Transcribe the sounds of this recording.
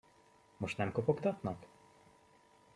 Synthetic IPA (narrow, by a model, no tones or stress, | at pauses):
muʂnamkɔpɔkd̪ɔt̪nɔk